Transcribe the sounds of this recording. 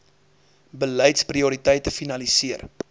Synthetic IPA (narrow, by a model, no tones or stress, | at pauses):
bələjtspriuɾitəjtəfinɐlisiər